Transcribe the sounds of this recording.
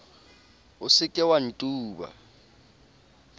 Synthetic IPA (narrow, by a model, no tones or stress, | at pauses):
ʊsɪkʼɛwan̩tʼuːɓa̰